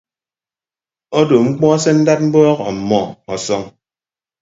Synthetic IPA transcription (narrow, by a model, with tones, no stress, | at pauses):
ɔ˦do˨ŋ͡m̩˦k͡pɔ˦sɛ˦n̩˦da˦t̚m̩˦bɔː˦kɔ˨m̩˨mːɔ˦˨ɔ˨sɔ˦ŋ